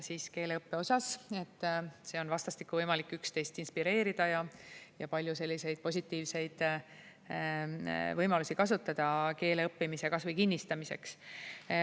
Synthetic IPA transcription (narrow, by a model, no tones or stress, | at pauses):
siːske̞ːle̞ɤpːe̞o̞sɑse̞t̪ˑːse̞o̞nvɑst̪ɑst̪i̥kːuvɤjmɑlikːˑykst̪e̞jst̪inspiɾe̞ːɾid̪̥ɑjɑjɑpɑlʲjuse̞lʲːise̞jd̪̥̚po̞s̬ʲit̪ːˑiːvse̞jd̪̥ | vɤjmɑlusikɑsut̪ːˑɑd̪̥ɑke̞ːle̞ɤpːimise̞kɑsvɤjkinʲːist̪ɑmise̞̰ks